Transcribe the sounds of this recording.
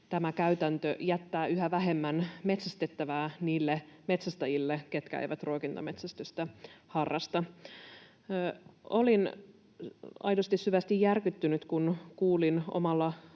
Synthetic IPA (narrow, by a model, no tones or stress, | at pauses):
t̪æmækæyt̪ænt̪øʔjæt̪ːæːyɦæʋæɦe̞mːænme̞t̪sæst̪et̪ːæʋæːniːlːeme̞t̪sæst̪ɑjilːeke̞t̪kææ̰jʋæt̪rookint̪ome̞t̪sæst̪øst̪æhɑrːɑst̪ɑ | o̞lin | ɑ̰jdost̪isːyʋæst̪ijːærkyt̪ːynyt̪kunkuːlino̞̰mɑlːɑ